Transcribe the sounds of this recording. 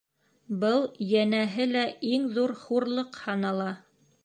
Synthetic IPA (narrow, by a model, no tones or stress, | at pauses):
bɤlˠjænæɦɘlæʔiŋðuɾχuɾlˠɤqhɑnɑlˠɑ